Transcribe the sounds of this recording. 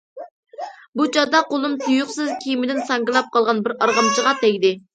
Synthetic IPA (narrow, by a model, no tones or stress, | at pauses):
but͡ʃʰɑd̪ɑqolˠumt̪ʰujuqsɨzkʲʰijmɪd̪ɪnsɑŋɡɨlˠɑp̚qʰɑlˠʁɑnbɪɾɑɾʁɑmt͡ʃʰəʁɑt̪ɛɡʲd̪ɪ